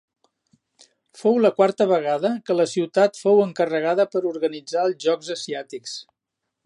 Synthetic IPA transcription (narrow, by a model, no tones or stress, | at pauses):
fowləkwaɾt̪əβəɣaðəkələsiwt̪at̪fowəŋkərəɣaðəpəɾuɾɣənid͡zaəlˠʒɔɡzəsiat̪iks